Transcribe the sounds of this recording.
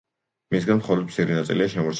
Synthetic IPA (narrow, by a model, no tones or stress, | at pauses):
misɡanmχɔlɔd̪mptsʰiɾinat̪sʼḭliaʃɛmɔɾt̪ʰ